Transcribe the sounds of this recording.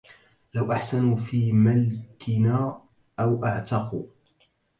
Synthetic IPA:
lawʔaħsanfiːmalkʰɪnaː | ʔawʔaʕt̪ɑqṵː

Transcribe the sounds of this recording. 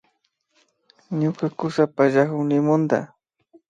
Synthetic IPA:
ɲʊkakʊsapaʒakʊŋnɪmʊnd̪a̰

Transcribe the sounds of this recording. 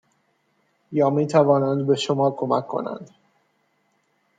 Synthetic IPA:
jɒːmiːt̪ʰævɒːnænd̪be̞ʃomɒːkʰo̞mækʰːo̞̰næ̰nd̪̥

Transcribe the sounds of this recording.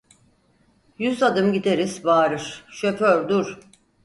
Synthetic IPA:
jyzad̪ɯmɟid̪eɾiz̥baːɾɯɾ̥ʃøpøɾd̪uɾ̥

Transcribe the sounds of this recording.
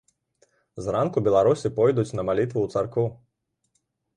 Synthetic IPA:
zɾankubʲɛlˠaɾusʲipɔjd̪ut͡sʲnɐmalʲit̪vuwt̪sarkɔw

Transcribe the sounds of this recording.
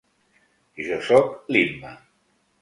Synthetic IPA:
iʒɔsɔklimːə

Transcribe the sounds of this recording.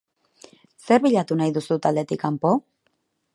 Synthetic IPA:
se̞ɾβiʎat̪unajðusut̪ald̪e̞t̪ikampo̞

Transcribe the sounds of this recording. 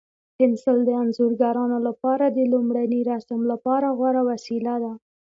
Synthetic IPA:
pɪnsəld̪əanzuɾɡaɾɑnolapɑɾad̪əlumɽaniɾasamlapɑɾaɣwaɾawasilad̪a

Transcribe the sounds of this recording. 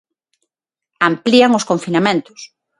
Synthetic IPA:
ampliaŋoskoɱfinamẽnt̪ʊ̥s

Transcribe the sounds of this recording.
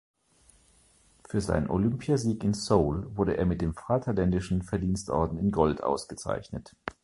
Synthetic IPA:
fyːɐza̰ɪnənʔolʏmpʰjaziːkɪnsoːlvʊɐɾəʔeːɐmɪt̚d̥eːmfʁaːtʰɐlɛndɪʃn̩fɛɐdiːnstʔɔ̰ɐdn̩ɪnɡɔltʔa̰ʊsɡ̥ət͡sa̰ɪçnət

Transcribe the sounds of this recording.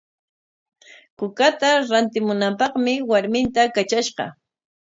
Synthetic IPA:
kʊkat̪aɾant̪ɪmʊnampɑχmɪwaɾmɪnt̪akat͡ʃaʃɢɑ̰

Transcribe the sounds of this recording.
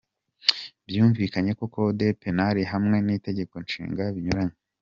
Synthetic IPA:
bjuːɱviːkaɲe̞ko̞ko̞de̞pe̞naɾiɦamŋe̞nite̞ɟe̞ko̞nʃḭːŋɡaβiɲuɾaɲe

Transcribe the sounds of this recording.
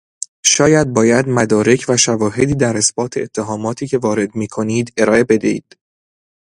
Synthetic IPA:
ʃɒːjæd̪̚bɒːjæd̪mæd̪ɒːɾe̞cʰvæʃævɒːɦe̞d̪iːd̪æɾesb̥ɒːt̪ʰeːt̪ʰːe̞ɦɒːmɒːt̪ʰiːcʰe̞vɒːɾe̞d̪miːkʰo̞niːd̪e̞ɾɒːʔe̞be̞d̪eḭːd̪̥

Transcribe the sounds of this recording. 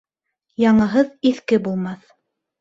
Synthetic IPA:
jɑɴɤ̆ɦɤðiθkɘbulˠmɑθ

